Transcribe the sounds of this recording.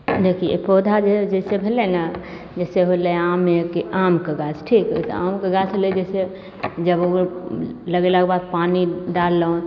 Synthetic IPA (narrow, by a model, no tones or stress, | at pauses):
d̪ekʰiepoːd̪ʱad͡ʒed͡ʒɛsebʱelena | d͡ʒɛseɦoleãmekeʔamkəɡat͡ʃʈʰiksḛa̰mkəɡat͡ʃoled͡ʒɛse | d͡ʒəbo | ləɡelakbad̪̚paniɖalːəõ